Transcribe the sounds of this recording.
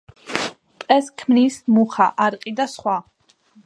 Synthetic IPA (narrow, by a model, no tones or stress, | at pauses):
pʼɛskʰmnismuχa̰ʔaɾqʼid̪asχwa